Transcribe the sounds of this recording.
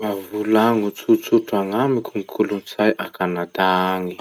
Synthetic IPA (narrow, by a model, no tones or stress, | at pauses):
mavulaŋut͡sut͡suʈ͡ʂaŋamikʲuŋikʰulunt͡sajʔakanad̪aŋi